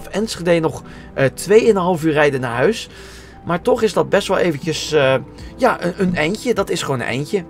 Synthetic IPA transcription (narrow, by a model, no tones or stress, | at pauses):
fɛnsχədeːnɔχ | tʋejɪnənɦɑlˠəfyːrɛjdənaːɹɦœɥs | maːɹtɔχɪzdɑt̚bɛstʋɛlˠeːvəncəs | jaʔəənɛjncədɑtɪsχoːnə̰nʔɛ̰jncə